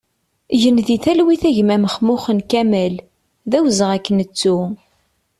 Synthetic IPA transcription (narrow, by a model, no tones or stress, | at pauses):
ʝənðiθælwiθæʝmæməχmʊχənkæmæl | ðæwzəʁækːənət͡sːu